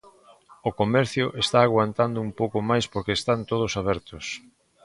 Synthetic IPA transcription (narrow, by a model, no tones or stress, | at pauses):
okomɛɾθjʊʔest̪aːɣwant̪and̪ʊumpowkomajspoɾkeːst̪ant̪oð̞ʊsaβ̞ɛɾt̪ʊs